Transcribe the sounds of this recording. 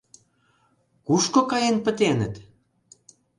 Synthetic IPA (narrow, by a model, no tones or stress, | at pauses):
kuʃkokɑjenpə̆t̪enə̆t̪